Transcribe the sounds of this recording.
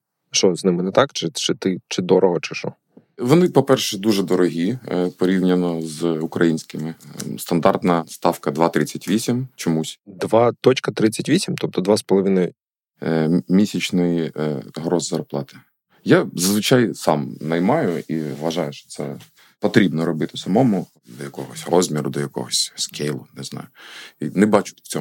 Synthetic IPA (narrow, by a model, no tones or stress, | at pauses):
ʃɔznɪmɪnɛt̪ɑkt͡ʃɪt͡ʃɪt̪ɪt͡ʃɪd̪ɔɾʔɔɦɔt͡ʃɪ̥ʃɔ̰ | ʋɔnɪpɔpɛrʃɛd̪uʒɛd̪ɔɾɔɦʲipɔɾʲiwnʲɐnɔzʊkɾɐjinʲsʲkɪmɪst̪ɐnd̪ɑrt̪nɐst̪ɑfkɐd̪ʋɑt̪ɾɪt͡sʲːɐtʲʋʲisʲimt͡ʃɔmusʲd̪ʋɑt̪ɔt͡ʃkɐt̪ɾɪt͡sʲːɐtʲʋʲisʲimt̪ɔp̚t̪ɔd̪ʋɑspɔlˠɔʋʲinɔj | mʲisʲɐt͡ʃnɪjɦɾɔzzɐrplˠɑt̪ɪ̥ | jazɐzʋɪt͡ʃajsɑmnɐjmɑjʊiʋɐʒɑjʊʃt͡ʃɔ̥t̪sɛ̰ | pɔt̪ɾʲibnɔɾɔbɪt̪ɪsɐmɔmʊ | d̪ɔjɐkɔ̰ɦɔsʲrɔzʲmʲiɾʊd̪ɔjɐkɔ̰ɦɔsʲskʰejlˠʊnɪznɑ̰jʊinɛbɑt͡ʃʊ̥t͡sʲɔ